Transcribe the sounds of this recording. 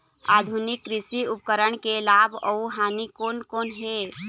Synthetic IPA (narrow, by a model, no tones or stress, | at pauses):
a̰d̪ʱunikːɾisiupkəɾəɳkelabʱəuɦanikonkonɦe